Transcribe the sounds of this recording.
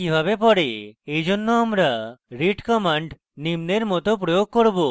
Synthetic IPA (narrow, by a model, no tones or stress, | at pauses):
kibʱabepɔɽeejd͡ʑonːoamɾaɾiʈkɔmaɳɖ | nimneɾmɔt̪op̬ɾojoɡ̚koɾbo